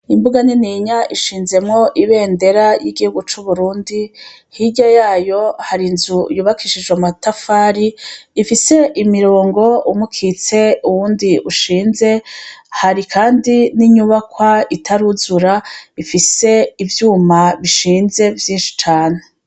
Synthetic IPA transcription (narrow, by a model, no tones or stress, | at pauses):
imbuɡaniniɲaʔiʃiːnze̞mŋo̞ʔiβe̞ːnde̞ɾajiɡihuɡut͡ʃuβuɾuːndi | hiɟajaːjo̞haɾinzujuːβakʰiʃid͡ʒwematafaːɾiːfise̞ʔimiɾoːŋɡo̞umukʰit͡se̞uwuːndiuʃiːnze̞haɾikʰaːndiniɲuβakwaitʰaɾuzuɾaifise̞ivjuːmaβiʃiːnze̞vjiːnʃi̥t͡ʃaːne